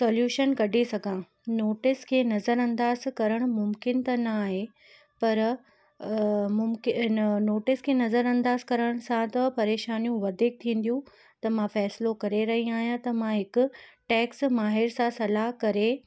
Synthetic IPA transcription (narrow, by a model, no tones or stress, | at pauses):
soːljuːʃənkɐɖʱesɐɡʱã | noːʈɪskʰeːnɐzəɾɐ̃nd̪aːzkɐɾəɽ̃ʊmʊmkɪnt̪ɐnɐaːɦe | pɐɾ | mʊmkɪnoːʈɪskʰeːnɐzəɾɐ̃nd̪aːzkɐɾəɽ̃sãt̪ɐpɐɾeːʃaːnijũʋɐd̪ʱik̚t̪ʰĩːn̆d̪jũ | t̪ɐmãfɛːslokɐɾeɾɐɦiaːɦjãt̪ɐmãɦɪkʊʈɛːksmaːɦɪɾsãsɐlaɦkɐɾe